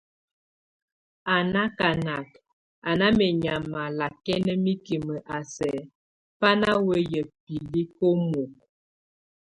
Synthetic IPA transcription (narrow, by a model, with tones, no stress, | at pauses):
a˨na˦ka˨na˨k | a˨na˦mɛ˨ɲa˨ma˨la˨kɛ˦nə˦mi˦ki˨mə˨ʔa˨sɛ˨ | pa˦na˦wə˦jə˨pi˨li˦ko˦mo˨k̚